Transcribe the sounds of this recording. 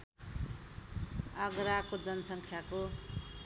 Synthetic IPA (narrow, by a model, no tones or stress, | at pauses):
ʌɡɾakod͡zʌnʌsʌŋkʰjako